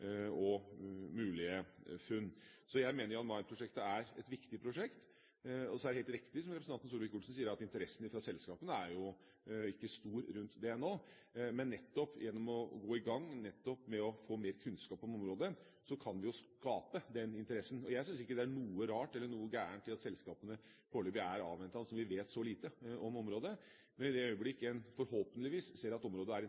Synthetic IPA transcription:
ɔmʉːlɪəfʉnːsɔjæɪmeːnəjʊɑt̪mɑɪnpʰɾʊʂɛkt̪əæɾɛt̪ʋɪkt̪ɪpʰɾʊʂɛkt̪ | ɔsɔæɖɛheːlt̪ɾɪkt̪ɪsɔmɾɛpɾəsɑnnsuːɾʋɪkʊɖsn̩siːəɾɑt̪ɪnt̪əɾɛsːn̩ɪfɾɑsɛlskɑːpənəæɾjʊ | ɪkːəst̪uːɾɾʉnt̪d̪ɛɛnoː | mɛnːɛt̪ːɔpːjʔɛnːɔmɔɡoːɪɡɑŋːnɛt̪ːɔpmɛɔfoːmeːɾkʰʉnskɑːpːɔmɔmɾoːd̪ə | sɔkʰɑnʋɪjʊskɑːpəd̪ɛnɪnt̪əɾɛsːn̩ɔjæɪsʏnsɪkːəd̪ɛæɳuːəɾɑːʈɛlːəɳuːəɡæːɳʈ̪ʰɪlɑt̪sɛlskɑːpənə | fɔɭybɪæɾɑ̰ːʋɛnt̪ɑnəsɔmʋɪʋeːt̪sɔliːt̪əɔmɔmɾoːd̪ə | mɛnɪd̪ɛœʏəblɪkːəɛnfɔɾhoːpənəlɪʋiːsseːɾɑt̪ɔmɾoːd̪əæɾ

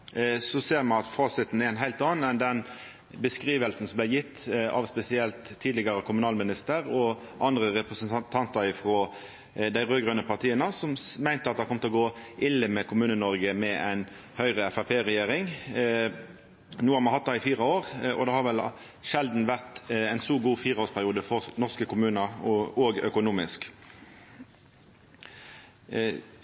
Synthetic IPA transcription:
sɔseːɾmɑnɑt̪fɑːsɪt̪n̩ɛɾɛɪnɦæɪlt̪ɑːn̩ɛnd̪ɛn | bəskɾiːʋəlsn̩sɔmblæɪjɪt̪ːɑ̰ʋspɛsɪɛlt̪ʰːiːd̪lɪɡɑʁəkʰʊmʉnɑːlmɪnɪst̪əɾɔ | ʔɑnd̪ʁəʁɛpɾəsənt̪ʰɑnt̪ʰɑnt̪ɑɾɪfɾoː | d̪æɪʁøːɡʁœnəpʰɑʁt̪ʰiːənəsɔmmæɪnt̪əɑt̪d̪hɑkɔmt̪əlɔɡoːʔɪlːəmɛkʰʊmʉːnənɔɾɡəmɛʔæ̰ɪn | hœʏʁəɛfæpʰeːʁɛjeːɾɪŋ | nuːɑnmɑnhɑt̪d̪ɑɪfiːʁɑoːʁɔ̰d̪ɑːhɑʁʋɛl | ʃɛld̪n̩ʋæʁt̪æɪnsuːɡuːfiːʁɑoːʁspʰæɾʁɪuːd̪əfɔɾnɔʁskəkʊmʉːnɑɔoːɡœ̰kʊnuːmɪsk

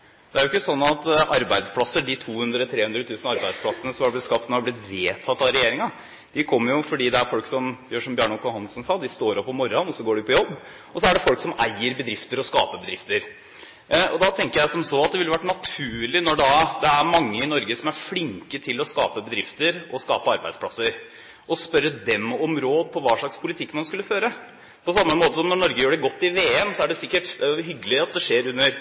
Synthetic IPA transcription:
d̪ɛæɾʊɪkːəsɔnːɑt̪ɑɾbæɪd̪spʰlɑsəɖɪt̪ʰuːhʉnd̪ɾət̪ʰɾeːʉnd̪ɾət̪ʰʉːsənɑɾbæɪd̪splɑdsənəsɔmɑɾblɪt̪skɑp̚t̪nɔɾhɑblɪt̪ʋeːt̪ʰɑt̪ːɑɾɛjeːɾɪŋɑ | d̪̥ɪkʰɔmːəɾjʊfɔɖiːd̪ɛæɾfɔlksɔmjøːʂɔmbjøːɳɔkʊhɑnsnsɑːd̪ɪst̪oːɾɔpːɔmɔɾɑnɔsɔɡoːɖɪpʰɔjɔbː | ɔsɔæɖɛfɔlksɔmæɪəɾbəd̪ɾɪft̪əɾɔskɑ̰ːpəbəd̪ɾɪft̪əɾ | ɔ̰d̪ɑt̪ʰɛŋkəɾjæɪsɔmsoːɑt̪̚d̪ɛʋɪlːəʋæʈːnɑt̪ʰʉːɭɪnɔɖɑd̪ɛæɾmɑŋːəɪnɔɾɡəsɔmæɾflɪŋkət̪ʰɪlɔskɑ̰ːpəbəd̪ɾɪft̪əɾɔskɑ̰ːpəɑɾbæɪd̪spʰlɑsəɾ | ɔspœɾːəd̪ɛmɔmɾoːd̪̚pʰɔʋɑːʂɭɑkspʰʊlɪt̪ʰɪkːmɑnskʉlːəføːɾə | pʰɔsɑmːəmoːt̪əsɔmnɔɳɔɾɡəjøːɖɛɡɔt̪ːɪʋeːɛmsɔæɖɛsɪkːəʈɦʏɡːəlɪɑt̪̚d̪ɛʂeːɾʉnːəɾ

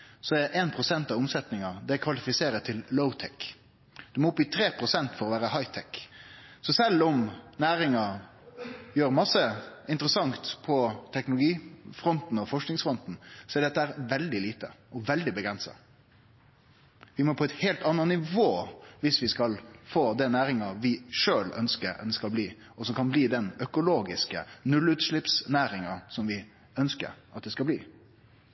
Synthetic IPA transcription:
sɔɛʔeːnpʰɾʊsɛnt̪ɑʋʊmsɛt̪nɪŋɑd̪ɛkʰʋɑlɪfɪseːɾət̪ʰɪlːəʊt̪ʰɛk | d̪̥ʉmɔʊpːɪt̪ʰɾeːpʰɾʊsɛnt̪fɔɾɔʋæːɾəhɑɪt̪ʰɛksɔsɛlːɔmnæːɾɪŋɑ | jøːɾmɑsːəɪnt̪ɾəsɑŋt̪pʰɔt̪ʰɛknʊlʊɡiːfɾɔnt̪n̩ɔfɔʂknɪŋsfɾɔnt̪n̩sɔɛɾɖ̪ɛt̪ːəæːɾʋɛld̪ɪliːt̪əʔɔʋɛld̪ɪbəɡɾɛnsɑ̰ | ʋɪmɔpʰɔɛt̪heːlt̪ɑnːɑnɪʋoːʋɪsʋɪskɑlfoːd̪ɛnæːɾɪŋɑʋɪʂøːlœ̰nskəɾ̰d̪ɛskɑlbliː | ɔsɔmkʰɑnbliːd̪ɛnœkʊloːɡɪskə̰nʉlʉt̪ʂlɪpsnæːɾɪŋɑsɔmʋɪ | œnskə̰ɾʔɑt̪̚d̪ɛskɑblḭː

